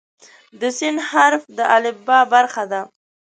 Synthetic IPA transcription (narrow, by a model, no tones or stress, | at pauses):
d̪əsɪnhaɾfd̪əʔalɪbːɑbaɾxad̪a